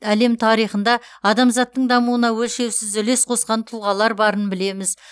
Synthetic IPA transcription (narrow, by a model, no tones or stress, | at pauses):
æle̞mt̪ʰɑɾijχənd̪ɑ | ɑd̪ɑmzɑt̪ːəɴd̪ɑmuwənɑwɵlʃe̞wsɪzʏle̞sqʰo̞sqɑnt̪ʰʊlˠʁɑlˠɑɾbɑɾənbɪle̞mɪz